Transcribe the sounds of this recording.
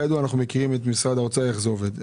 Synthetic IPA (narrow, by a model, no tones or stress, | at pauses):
jad̪uanaχnumekiʁimet̪misʁad̪aot͡saeχzeoved̪